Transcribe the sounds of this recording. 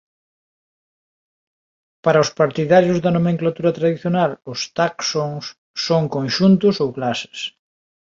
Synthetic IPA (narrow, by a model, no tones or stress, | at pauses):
paɾɐʊspaɾt̪iðaɾjʊzðɐnomẽŋklat̪uɾɐt̪ɾaðiθjonalʊst̪aksoŋsː | oŋkõnʃunt̪ʊsowklasɪ̥s